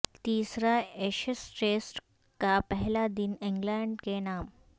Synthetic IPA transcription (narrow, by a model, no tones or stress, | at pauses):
t̪iːsɾaeɕisʈesʈ | kapɛɦlad̪iniŋɡlaɳɖkenaːm